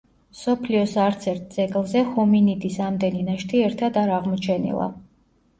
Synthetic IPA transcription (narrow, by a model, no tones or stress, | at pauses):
msɔpʰliɔsaɾt̪sʰɛɾt̪̚d̪z̥ɛɡlˠzɛχɔminid̪isamd̪ɛninaʃt̪ʰiɛɾt̪ʰad̪aɾaʁmɔt͡ʃʰɛnḭlˠa̰